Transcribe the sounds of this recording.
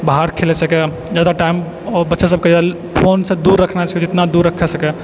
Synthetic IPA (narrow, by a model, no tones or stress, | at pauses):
baɦaɾkʰelɛsəkɛ | d͡ʒad̪aʈaim | ɔbətːʃasəb̚ʱked͡ʒad̪a | pʰonsẽd̪uɾːəkʰnat͡ʃʰaked͡ʒɪt̪nad̪uɾːəkʰɛsəkɛ